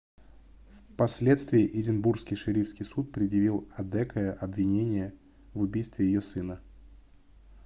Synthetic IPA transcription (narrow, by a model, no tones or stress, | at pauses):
fpɐsʲlʲe̞t̪st̪vʲɪɪʔɪdʲɪnburskʲɪjʂɨɾʲifskʲɪjsut̪̚pɾʲɪd̪jɪvʲilˠɐd̪ɛkəəʔɐbvʲɪnʲenʲɪjə | vʊbʲijst̪vʲɪjɪjosɨnə